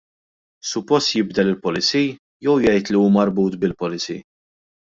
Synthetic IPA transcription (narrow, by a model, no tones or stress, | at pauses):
sʊpːɔst̪jɪbd̪ɛlɪlpɔlɪt͡siː | jɛwjɛjt̪liuːmɐɾbuːt̪bɪlpɔlɪt͡sḭː